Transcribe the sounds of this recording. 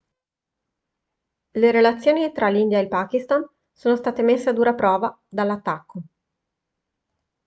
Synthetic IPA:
leɾelat̪sːjoːnit̪ɾalind̪jaelpakist̪an | soːnost̪aːt̪emesːead̪uːɾapɾɔːva | d̪alːat̪ːakːo

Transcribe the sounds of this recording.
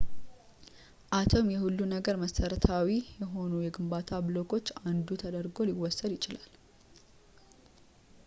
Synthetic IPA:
ʔat̪ʰomjɛhulːunəɡəɾməsəɾət̪ʰawijɛɦo̞nujɛɡɨmbat̪ʰablo̞kʰo̞t͡ʃːand̪ut̪ʰəd̪əɾɡo̞liwɔsːəd̪jɪt͡ʃɪlal

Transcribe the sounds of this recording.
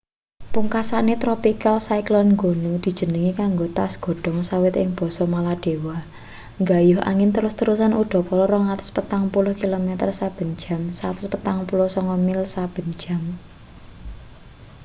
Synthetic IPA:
puŋkasanet̪ɾɔpikalsaiklɔnŋɡonud̪̥i̤d̥ʒ̥ə̤nəŋikaŋɡot̪asɡ̥ɔ̤ɖ̥ɔ̤ŋsawɪt̪ɪ̰ŋb̥ɔ̤sɔmalaɖ̥e̤wa | ŋɡajʊɦʔa̰ŋɪnt̪əɾʊst̪əɾusanuɖ̥ɔ̤pɔɾɔɾɔŋrat̪ʊ̥spət̪aŋpulʊhkilomɛt̪ərsab̥ə̤n̥d͡ʒa̤msat̪ʊspət̪aŋpulʊhsɔŋkɔmɪlsab̥ə̤n̥d͡ʒä̤m

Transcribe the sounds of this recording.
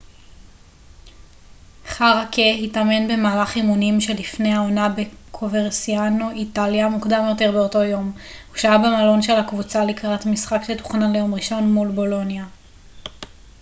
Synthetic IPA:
χaʁakʰehitame̞nbe̞maːlaχimunimʃe̞lifne̞jao̞nabe̞kʰoveʁsianoʔitaljamukdamjo̞te̞ʁbeo̞to̞jo̞mhuʃaabemalo̞nʃe̞lhakvut͡salikʁatmisχakʃetu̥χnalejo̞mʁiʃo̞nmulbo̞lo̞nja

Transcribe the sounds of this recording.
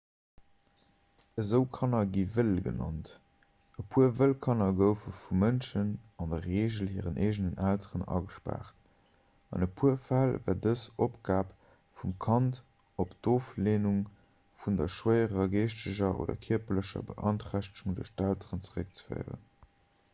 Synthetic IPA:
əzəʊkʰɑnɐɡivəlɡə̰nɑ̰nt | əpʰuəvəlkʰɑnɐɡəʊfəfumənʃənɑndɐʁeːʒəlhiːʁənʔeːʒnənʔæltʰəʁənɑ̰ɡəʃpa̰ːχt | ɑ̰nəpʰuəfælvæːdəsopɡaːp | fumkʰɑnt | opd̥oːfleːnuŋ | fundɐʃwəɪəʁɐɡeːʃtəʑɐʔo̰ːdɐ̰kʰiɐpɐləʃɐ̰bə̰ʔɑntʁæɕtuŋdəʃtæltəʁənt͡səʁək̚t͡sə̥fə̰ɪʁə̰n

